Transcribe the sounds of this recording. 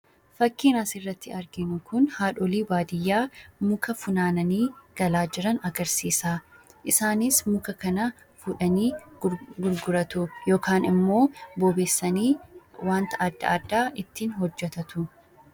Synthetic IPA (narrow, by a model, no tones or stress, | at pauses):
fɐkːiːnasɪrːɐt̪ːɪɐɾɡɪnʊkʊnhaːᶑɔliːbaːd̪ɪjːaːmʊkɐfʊnaːnɐniːɡ̥ɐlaːd͡ʒɪɾɐnɐɡɐɾsiːsaːʔɪsaːnɪsmʊkɐkɐnɐ | fʊᶑɐniːɡʊɾɡʊɾɐt̪ʊjo̞ːkʰaːnɪmːo̞ːboːbeːsːɐniːwaːnt̪ɐːd̪ːɐ̰ɐd̪ːaːʔɪt̪ːiːnɦɔd͡ʒːɛt̪ɐt̪ʊ